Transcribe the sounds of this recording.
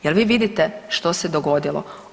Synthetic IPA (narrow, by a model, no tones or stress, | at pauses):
jelʋiːʋid̪it̪ɛʃt̪osed̪oɡo̞d̪ilˠo̰